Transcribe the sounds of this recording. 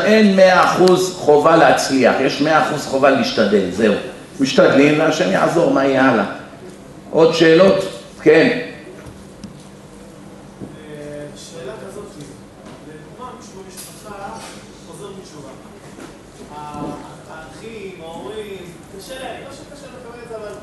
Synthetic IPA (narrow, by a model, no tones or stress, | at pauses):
e̞nmeaːχuzχo̞valehat͡sliaχjeʃmeaːχuzχo̞valeiʃt̪ad̪e̞lze̞u | miʃtad̪limveaʃemja̰ʕzo̞ʁmajala̰ | ʔo̞d̪ʃe̞ːlo̞t̪ | ken | elazot̪ | dɡmaʃaa | ozeiʃuva | χimim | mʃekaʃelekabelzaval